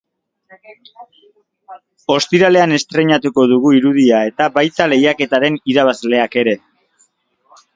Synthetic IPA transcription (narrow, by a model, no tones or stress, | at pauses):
o̞st̪iɾale̞ane̞st̪ɾe̞ɲat̪uko̞ðuɣ̞uiɾuð̞iae̞t̪abajt̪ale̞jake̞t̪aɾe̞niɾaβ̞azle̞ake̞ɾe̞